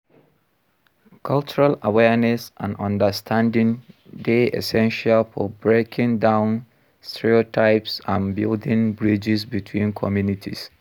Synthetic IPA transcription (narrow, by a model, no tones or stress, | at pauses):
kʰalt͡ʃuɹalawɛnɛsʔã̰nɔ̃ndəstʰãndĩŋdeḛsɛ̃nʃalfɔbɹekʰĩŋdãʊ̃n | stʰɛɹiotʰaɪpsãnbildĩŋbɹid͡ʒisbitʰwĩnkʰɔmjunitʰḭs